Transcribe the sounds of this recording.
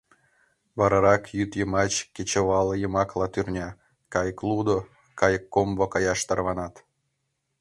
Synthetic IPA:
βɑɾɑɾɑkjyt̪jəmɑt͡ɕkʲet͡ɕə̆βɑlˠjəmɑklˠɑt̪yrnʲɑ | kɑjəklˠud̪o | kɑjəkːombŏkɑjɑʃt̪ɑrβɑnɑt̪

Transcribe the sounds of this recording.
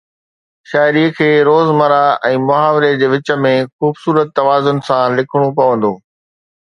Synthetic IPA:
ʃaːɪɾiːəkʰeːɾoːzmɐɾaɛ̃ːmʊɦaːʋɾed͡ʑeːʋɪt͡ɕə̆mẽxuːbsuːɾət̪ːɐʋaːzʊnɪ̆sãlɪkʰəɽ̃op̬ɐʋə̃nd̪oː

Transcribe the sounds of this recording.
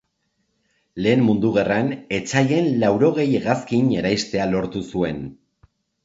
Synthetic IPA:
le̞ːmmund̪uɣ̞erane̞t͡saʎe̞nlawɾo̞ɣ̞e̞jɣaskiɲe̞ɾajst̪e̞alo̞ɾt̪usue̞n

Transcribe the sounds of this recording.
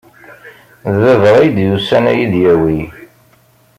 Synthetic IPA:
ððəðɾˤæjd̪jusænæjiðjæwi

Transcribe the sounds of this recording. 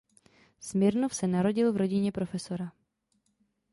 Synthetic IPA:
smɪɾnofsɛnaɾo̞ɟɪlvɾo̞ɟɪɲɛpɾo̞fɛso̞ɾa

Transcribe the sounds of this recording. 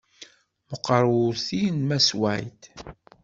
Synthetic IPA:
məqːɾˤuθinmæswæjt̪

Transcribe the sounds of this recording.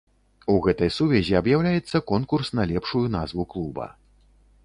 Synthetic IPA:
uɣɛt̪ɐjsuvʲɛzʲiɐbjawlʲajɛt̪sːɐkɔnkursnɐlʲɛpʂujun̪azvuklˠubɐ̰

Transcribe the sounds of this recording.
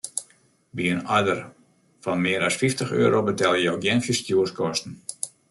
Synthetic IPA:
biənɔjdər | fɔnmɪəɾɔsfiftəxø̰ːɾobətɛlˠjəjoɡjɛnfjəstjuəskɔstn̩

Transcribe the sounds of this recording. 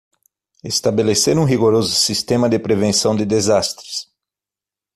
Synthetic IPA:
est̪abeleseɾũɦiɡoɾozʊsist̪ẽmɐd̪ɪpɾevẽsɐ̃w̃d̪ɪd̪ezast̪ɾɪs

